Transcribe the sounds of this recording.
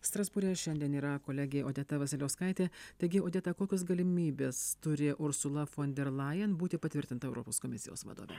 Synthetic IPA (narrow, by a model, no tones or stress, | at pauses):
st̪ɾɐzbʊɾʲɛʃʲɛnʲd̪ʲiɛniːɾɐkoːlʲɛɡʲɛːoːd̪ʲɛt̪ɐʋɐsʲɪlʲoːskɐɪt̪ʲeːt̪ɐɪɡʲɪoːd̪ʲɛt̪ɐkoːkʲos̬ɡɐlʲɪmʲiːbʲeːst̪ʊɾʲɪʔʊɾsʊlˠɐfoːnʲd̪ʲɛɾlˠɑjɛnbuːt̪ʲɪpɐt̪ʲɪɾʲt̪ʲɪnt̪ɐɛʊɾɔ̰ːpoːskoːmʲɪsʲɪ̰jo̰ːsʋɐ̰d̪o̰ːʋʲɛ̰